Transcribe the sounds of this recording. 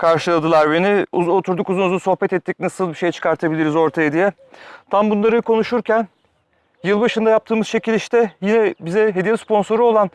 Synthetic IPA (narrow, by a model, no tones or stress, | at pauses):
kʰaɾʃɯlˠad̪ɯlˠaɾbeniuot̪ʰuɾd̪ukuzunuzunso̞xpɛt̪ɛt̪ʰːic̚nasɯlˠbiʃe̞jɛt͡ʃʰɯ̥kʰaɾt̪ʰabilʲiɾizo̞ɾt̪ʰajed̪ijɛ | t̪ʰambunlˠaɾɯkʰo̞nuʃuɾcʰæn | jɯlˠbaʃɯnd̪ajap̚t̪ʰɯːmɯz̥t͡ʃʰecilʲiʃt̪ɛjinɛbizɛɦe̞d̪iɛfspo̞nso̞ɾuo̞lˠan